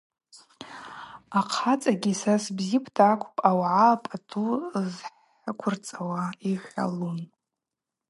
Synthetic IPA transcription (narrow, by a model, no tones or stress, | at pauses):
aqʰat͡sʼaɡʲisasbzikʷʰtʰaːkʷʰʼpʼawʕapʼatʰuzħ | akʷʰʊrt͡sʼawaiħʲʷa̰lun